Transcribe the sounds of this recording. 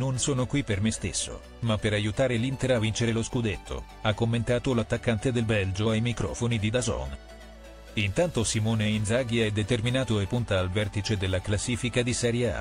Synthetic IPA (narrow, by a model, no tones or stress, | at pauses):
nonsoːnokwipːermest̪esːo̰ | mapːeɾajut̪aːɾelint̪eɾavːint͡ʃeɾeloskud̪et̪ʰːo̰ | akːomːent̪aːt̪olat̪ːakːant̪ed̪elbɛld͡ʒoajmikɾɔ̰ːfonid̪id̪azɔ̰n | int̪ant̪osimoːneinzaɡiɛd̪et̪erminaːt̪oepːunt̪aːlvɛrt̪it͡ʃed̪elːaklasːiːfikad̪isɛɾjaa̰